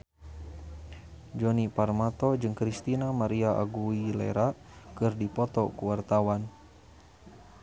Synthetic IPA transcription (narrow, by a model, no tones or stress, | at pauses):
d͡ʒɔniparmat̪ɔd͡ʒɨŋkɾist̪inamaɾiaʔa̰ɡuilɛ̰ɾa | kɨrdipɔt̪ɔkuwart̪awan